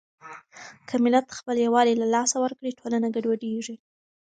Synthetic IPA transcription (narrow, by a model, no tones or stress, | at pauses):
kʰəmɪlat̪xpəljawɑlilalɑsawəɾkɽiʈʰolanaɡaɖwaɖeʐi